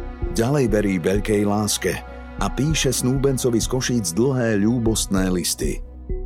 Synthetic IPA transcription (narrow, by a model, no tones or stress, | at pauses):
ɟalɛjʋɛɾiːʋɛʎkɛjlaːskɛ | ʔapiːʃɛsnuːbɛnt͡sɔʋiskɔʃiːd͡zd̪l̩ɦɛːʎuːbɔst̪nɛːlist̪ḭ